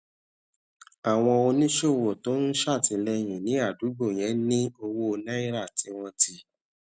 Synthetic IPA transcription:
a˨w̃ɔ̃˧o˧nĩ˦ʃo˦˨wo˨to˨˦n̩˦ʃa˦˨ti˧lɛ˧j̃ĩ˨nĩ˨˦a˦˨du˨˦ɡ͡bo˦˨j̃ɛ̃˨˦nĩ˦o˧wo˦o˧nã˦i˦ɾa˦˨ti˨˦w̃ɔ̃˧ti˧

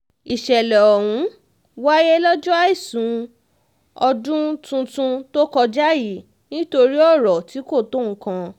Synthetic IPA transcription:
i˨ʃɛ˨lɛ˨ɔ˨wũ˨˦ | wa˦jɛ˦lɔ˦d͡ʒɔ˦a˦i˦˨sũ˨˦ | ɔ˧dũ˦tũ˧tũ˧to˦kɔ˧d͡ʒa˦ji˨˦˨ | nĩ˦to˧ɾi˦ɔ˦˨ɾɔ˨ti˨˦ko˦˨to˦˨ŋ̩̃˨˦kã˧

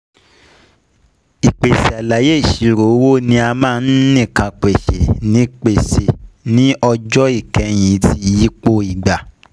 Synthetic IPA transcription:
i˨k͡pe˨se˨a˨la˨˦je˦i˦˨ʃi˨ɾo˨˦wo˦˨nĩ˧a˧mãː˦˧n̩˦nĩ˦˨kã˧k͡pe˨ʃḛ˨nĩ˨˦k͡pe˨se˨nĩ˦ɔ˧d͡ʒɔ˦i˦˨kɛ̃˧˦j̃ĩ˨˦ti˧˦ji˦k͡po˧i˨ɡ͡ba˨

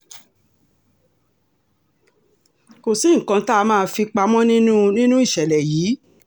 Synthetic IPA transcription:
ko˨sĩ˨˦ŋ̩˨kã˧ta˦˧mãː˦˧fi˧k͡pa˧mɔ̃˦nĩ˦nũ˦nĩ˦nũ˦i˦˨ʃɛ˨lɛ˨jiː˨˦

